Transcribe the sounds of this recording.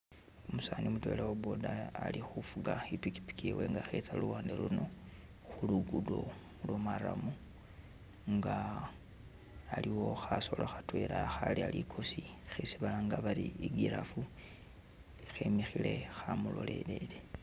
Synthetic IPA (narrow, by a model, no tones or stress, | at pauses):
omusaːnimutwe̞lawobo̞daːlixufuɡaipiki̥pi̥kewe̞ŋɡaxet͡saluwaːndeluno̞ | xuluɡudo̞ | mulwomaɾamu | ŋɡa | liwo̞xaso̞loxatwelaxalialikʰo̞sixisiβalaŋɡaβaliiɡiɾafu | ixemixile̞xamulo̞̰lʔe̞lele